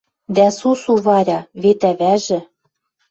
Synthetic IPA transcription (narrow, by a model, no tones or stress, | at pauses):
d̪æsusuβɑɾʲɑβet̪æβæʒɘ̆